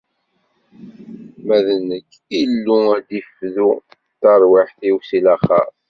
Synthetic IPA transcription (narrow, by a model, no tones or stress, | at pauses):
mæðnːəkː | ilːuæd̪ifðu | t̪ːɑɾˤwaħθiwsilæχɑ̰ɾ